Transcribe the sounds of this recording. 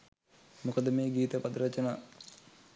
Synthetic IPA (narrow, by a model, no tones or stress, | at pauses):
mukəd̪əmeːɡiːt̪əpad̪ɾɐt͡ʃənaː